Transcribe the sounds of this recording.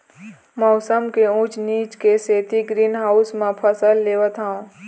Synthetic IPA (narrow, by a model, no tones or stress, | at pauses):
mɔːsəmkeũt͡ʃniːt͡ʃkeseːt̪iɡɾiːnɦaːʊsmãpʰəsəlːeːʋət̪ɦãõː